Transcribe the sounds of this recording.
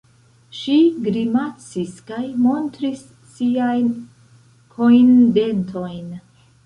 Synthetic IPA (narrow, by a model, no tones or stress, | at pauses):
ʃiɡɾimat͡siskajmo̞ntɾisː | iajn | kʰo̞inde̞ntʰo̞jn